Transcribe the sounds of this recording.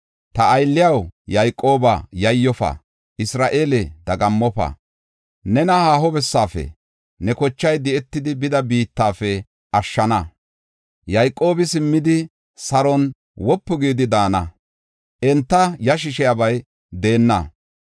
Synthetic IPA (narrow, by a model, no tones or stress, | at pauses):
t̪ɐːjlːɪjɐwjɐjkʼːo̞ːbɐ̰jɐjːɔfɐ̰ | ɪsɾaːʔeːlɛd̪̥ɐɡɐmːɔpɐ̰ | nɛnɐhaːɦɔbɛsːaːfɛ̰ | nɛkɔt͡ʃːɐjd̪ɪɛt̪ːɪd̪ɪbɪd̪ɐbiːt̪ːaːfɛ | ʔɐʃːɐnɐ | jɐjkʼːo̞ːbɪsɪmːɪd̪ɪ | sɐɾɔn | wɔpːɔɡiːd̪ɪd̪aːnɐ | ʔɛnt̪ːɐjɐʃ̬ɪʃɪjabɐj | d̪eːnːɐ